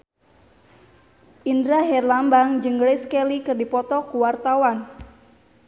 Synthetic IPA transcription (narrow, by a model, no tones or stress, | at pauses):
ʔindɾaɦɛrlambaŋd͡ʒəŋɡɾeskɛlikərdipɔt̪ɔkuwart̪awan